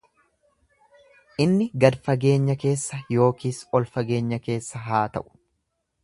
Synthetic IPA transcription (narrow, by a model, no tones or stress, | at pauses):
ʔɪnːɪɡɐd̪fɐɡe̞ːɲːɐke̞ːsːɐjo̞ːkiːsɔlfɐɡe̞ːɲːɐke̞ːsːɐɦaːt̪ɐ̰ʔʊ̥